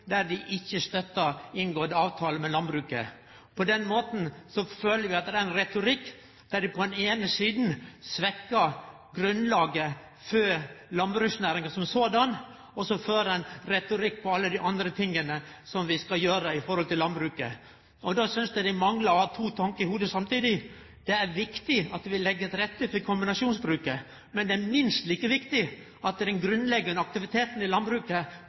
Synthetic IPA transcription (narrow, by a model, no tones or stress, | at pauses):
d̪æɾd̪ɪʔɪçːəst̪œt̪ːəɪnɡoːd̪əɑːʋt̪ʰɑːləmɛlɑnbɾʉːkə̰ | pʰɔd̪ɛnmoːt̪n̩sɔføːləɾʋɪɑt̪d̪ææɾɪnɾɛt̪ʊɾɪkː | d̪̥æd̪ɪpʰɔɛneːnəsiːd̪n̩sʋɛkːəɾ | ɡɾʉnlɑːɡə | føːlɑnbɾʉːsnæːɾɪŋəsɔmsoːd̪ɑn | ɔsɔføːɾɛɪnɾɛt̪ʊɾɪkːpʰɔɑlːəd̪ɪʔɑnd̪ɾət̪ʰɪŋːənə | sɔmʋɪskɑjøːɾəɪfɔɾhɔlt̪ɪlːɑnbɾʉːkə̰ | ɔd̪ɑsʏnsd̪ɛd̪æmɑŋləɾɔhɑːt̪ʰuːt̪ʰɑŋkəɪhuːd̪əsɑmt̪iːd̪ɪ | d̪̥ɛæɾʋɪkt̪ɪɑt̪ʋɪlːɛɡːəɾɛt̪ɾɛt̪ːəfɔɾkʰʊmbɪnɑʂuːnsbɾʉːkə | mɛnd̪ɛæɾmɪnst̪liːkəʋɪkt̪ɪ | ɑt̪̚d̪ɛd̪ɛnɡɾʉnlɛɡːənɑk̚t̪ɪʋɪt̪ʰeːt̪n̩ɪlɑnbɾʉːkə